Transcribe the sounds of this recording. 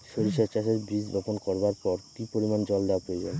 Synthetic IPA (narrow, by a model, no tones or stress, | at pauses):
ʃoɾiʃaɾt͡ɕaʃeɾbɾid͡ʑbʱɔponkɔɾbaɾpɔɾkipoɾimand͡ʑɔld̪apoed͡ʑan